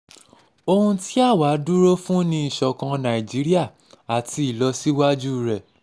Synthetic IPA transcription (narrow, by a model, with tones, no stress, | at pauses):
o˧hũ˧ti˦a˦˨wa˨˦du˦ɾo˦fũ˦nĩ˧i˦˨ʃɔ˧kã˧nã˨i˨d͡ʒi˨˦ɾi˦a˦˨ | a˨ti˧i˦˨lɔ˧si˦wa˦d͡ʒu˦ɾɛ˨